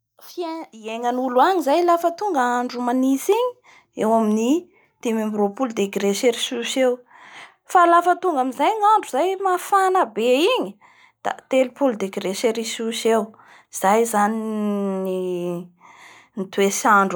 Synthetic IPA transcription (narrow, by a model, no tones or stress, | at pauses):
fieieŋanuluaɲizajlafət̪uŋɡəaɳɖ͡ʐumanisiɲi | ewamini | t̪emambiropulud̪eɡɾeʃeɾisuʃew | falafət̪uŋɡamizajɲaɳɖ͡ʐuzajmafanəbeiɲi | d̪̥a̰t̪elupuld̪eɡɾeʃeɾisuʃew | z̥ajzaniini | nit̪wesaɳɖ͡ʐ